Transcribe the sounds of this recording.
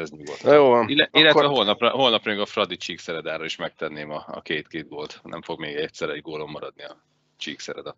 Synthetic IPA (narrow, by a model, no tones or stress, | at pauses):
ɛzɲuɡot̪joːvɒnilːɛilːɛt̪vɛɦolnɒprɒɦo̞lnɒprɒjiɡɒfrɒd̪it͡ʃiːksɛɾɛd̪aːɾɒiʃmɛk̚t̪ɛnːeːmɒɒ̰keːt̪keːd̪̚ɡoːlt̪nɛ̰ɱfo̞ɡmeːɡɛtsɛɾɛɟɡoːlo̞mːɒɾɒd̪niɒ | t͡ʃiːksɛɾɛ̰d̪ɒ